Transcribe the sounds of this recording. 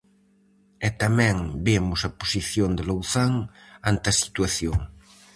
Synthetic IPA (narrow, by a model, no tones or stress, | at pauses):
ɛt̪amɛ̃ŋbemʊsɐposiθjond̪elowθaŋant̪ɐsi̥t̪waθjoŋ